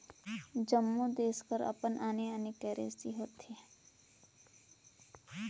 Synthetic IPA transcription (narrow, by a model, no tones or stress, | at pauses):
d͡ʒəmːud̪eːskəɾɐ̰pənʔaːneaːnekɛːɾḛːsiɦoːt̪e